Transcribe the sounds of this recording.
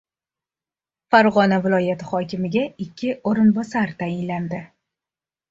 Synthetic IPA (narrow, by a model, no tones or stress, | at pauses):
faɾʁɒnavɪlˠɒjat̪ɪχɒkʲɪmɪɡʲaɪkʲʰːɪoɾɪnbɒsaɾt̪ʰajɪnland̪ɪ